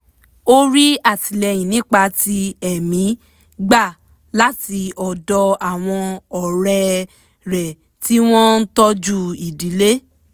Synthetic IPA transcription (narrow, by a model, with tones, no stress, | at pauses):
o˦ɾi˦a˦˨ti˨lɛ˧j̃ĩ˨nĩ˦k͡pa˧ti˧ɛ˨mĩ˨˦ | ɡ͡ba˦˨ | la˦ti˧ɔ˨dɔ˧a˨w̃ɔ̃˧ɔ˨ɾɛ˧ | ɾɛ˨ | ti˦w̃ɔ̃˦n̩˦tɔ˦d͡ʒu˦i˨di˨˦le˦